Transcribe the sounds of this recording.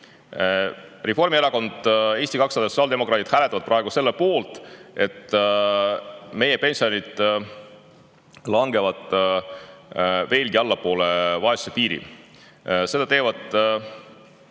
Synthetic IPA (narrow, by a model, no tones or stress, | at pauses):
refo̞rmieɾɑko̞nd̪̥e̞ːsʲt̪ikɑksɑd̪ɑso̥sɑːld̪e̞mo̞kɾɑːt̪id̪̥hælet̪ːˑɑvɑd̪̚prʔɑe̞ɡuse̞lːepo̞ːlt̪ˑe̞t̪ː | me̞je̞pe̞nʲsio̞nid̪̥ | lɑŋɡe̞vɑd̪̥ | ve̞ːlɡiɑlːɑpo̞ːle̞vɑesu̥sepiːɾḭ | se̞d̪ɑt̪e̞ːvɑd̪̥